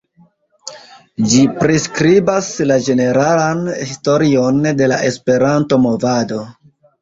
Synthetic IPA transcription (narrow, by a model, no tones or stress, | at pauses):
d͡ʒipɾiskɾibaslad͡ʒe̞ne̞ɾalanhisto̞ɾio̞nde̞la̰ʔe̞spe̞ɾanto̞mo̞vado̞